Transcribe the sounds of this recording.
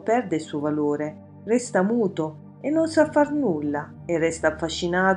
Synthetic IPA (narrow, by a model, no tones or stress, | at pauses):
pɛrd̪ɪsuvaloːɾe | rɛst̪amuːt̪ʊ | enːonsafːarnulːa | ɪrːɛst̪aːfːaʃːinaːt̪